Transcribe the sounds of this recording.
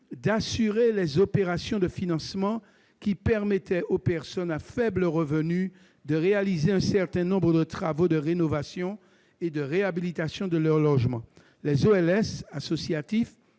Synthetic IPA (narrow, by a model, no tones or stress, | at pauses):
d̪asyʁelɛzopeʁasjɔ̃d̪əfinɑ̃smɑ̃ | kʲipɛʁmɛt̪ʰɛʔopɛʁsɔnafɛbləʁəvəny | d̪əʁealizeɛ̃sɛʁt̪ɛ̃nɔ̃bʁəd̪ət̪χavod̪əʁenovasjɔ̃ | ed̪əʁeabilit̪asjɔ̃d̪əlœʁlɔʒmɑ̃ | lɛzoɛlɛsasosjat̪if